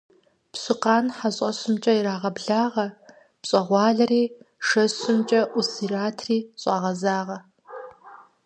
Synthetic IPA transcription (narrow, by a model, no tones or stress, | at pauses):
pɕɨqɑːnħaɕʼɐɕɨmt͡ʃʼɐiɾaːʁɐbɮaːʁɐ | pɕʼɐʁʷɑːɮɐriːʂɐɕɨmt͡ʃʼɐʔusiraːtʰriːɕʼɑʁɐzaːʁɐ